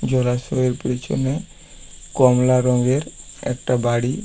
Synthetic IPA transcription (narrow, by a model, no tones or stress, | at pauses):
d͡ʑɔlasɔɦeɾpɾet͡ɕʰo̰ne | kɔmlaɾɔŋɡeɾ | ɛ̰k̚ʈabaɽi